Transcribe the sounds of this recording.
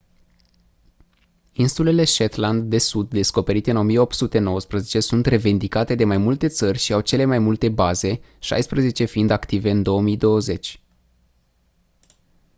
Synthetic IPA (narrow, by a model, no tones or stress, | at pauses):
insule̞le̞ʃet̪land̪ːe̞sud̪ːe̞sko̞pe̞ɾit̪eɨno̞mije̞o̞pt̪sut̪e̞no̞wəspɾəze̞t͡ʃe̞sunt̪re̞vind̪ikat̪e̞d̪e̞majmult̪e̞t̪sərʲʃiawt͡ʃe̞le̞majmult̪e̞baze̞ | ʃa̰jspɾəze̞t͡ʃe̞find̪akt̪ive̞ɨnd̪o̞əmid̪o̞əze̞t͡ʃʲ